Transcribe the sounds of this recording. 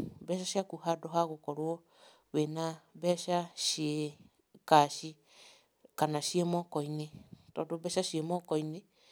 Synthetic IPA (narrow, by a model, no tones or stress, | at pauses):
bɛʃaʃiakuhadoɦaɣokɔɾwo | βenabɛʃaʃie | kaʃi | kanaʃiemɔkɔinitɔdobɛʃaʃiemɔkɔini